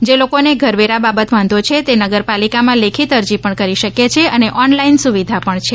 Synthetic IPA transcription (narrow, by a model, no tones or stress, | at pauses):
d͡ʒelokoneɡʱəɾʋeɾababət̪ʋãnd̪ʱot͡ʃʰet̪enəɡəɾpalikamãlekʰit̪əɾd͡ʒipəɳkəɾiʃəkjet͡ʃʰeəneʔɔnlainsuʋid̪ʱapəɳt͡ʃʰe